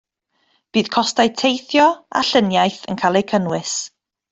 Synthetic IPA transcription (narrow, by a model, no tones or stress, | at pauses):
b̥iːð̥kʰɔstajtʰejθjɔa̰ɬənjajθə̰nkʰaːlˠekʰənwɪs